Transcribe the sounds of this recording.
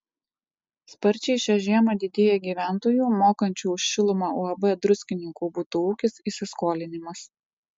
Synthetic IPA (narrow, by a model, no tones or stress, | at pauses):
spɐɾʲt͡ʃʲɛɪʃʲɛʒʲiɛmɐd̪ʲɪd̪ʲeːjɛɡʲiːʋʲæˑnt̪oːjuːmoːkɐnʲt͡ʃʲuːʊʃʲʃʲɪlˠʊmɑːuɐbɛd̪ɾʊsʲkʲɪnʲɪŋkuːbut̪ʊuːkʲɪsiːsʲɪskoːlʲɪnʲɪmɐs